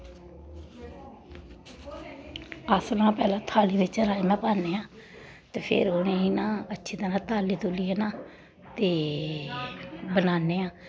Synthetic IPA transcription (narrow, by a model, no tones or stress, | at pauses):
əslãːpɛːlãːt̪ʰaːliːbɪt͡ʃəɾaːimɛ̃ːpaːneːãː | t̪eːpʰɪ̰ɾoːnẽːiːnãːətːʃʰiːt̪əɾãːt̪ʰaːliːt̪ʊliːeːnãː | t̪eː | bənaːnːeːãː